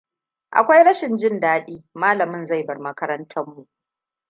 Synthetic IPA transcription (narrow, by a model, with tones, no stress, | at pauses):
ʔa̰˨kʷa˦jɽɐ˦ʃɪ˨nd͡ʒɪ˦ndaː˦ɗiː˦maː˦lɐ˨mɪ˦nza˦˨jbɐ˨rmɐ˦kɐ˦ɾɐ˦ntʰɐ˦mːu˨ʔ